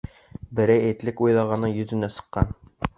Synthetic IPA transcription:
bɘ̆ɾæjet̪lɘkujlˠɑʁɑnːɤɴjɵ̆zɘ̆næsɤ̥̆qːɑ̰n

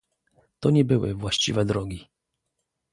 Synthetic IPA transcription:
t̪ɔɲɛbɘwɘ̰vwaɕt͡ɕḭvɛd̪ɾɔɡʲi

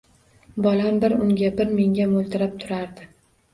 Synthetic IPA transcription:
bɒlambɪɾʊŋɡʲabɪɾmeŋʲamolˠt̪ʰɪɾap̚t̪ʰʊɾaɾd̪ɪ

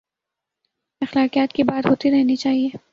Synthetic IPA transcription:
ɐxlaːqijaːt̪kibaːd̪ɦoːt̪iɾɛɦnit͡ʃaːɦieː

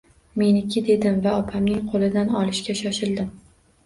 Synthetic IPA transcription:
me̞nɪkʲʰɪd̪e̞d̪ɪmvaɒpʰamnɪŋqʰolˠɪd̪anɒlˠɪʃkʲaʃɒʃɪld̪ɪm

